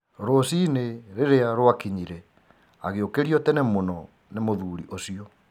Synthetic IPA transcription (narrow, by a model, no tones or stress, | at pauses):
ɾosineɾeɾeaɾowakiɲiɾɛ | aɣeokeɾiɔtɛnemonɔ | nemoðuːɾiʔosiɔ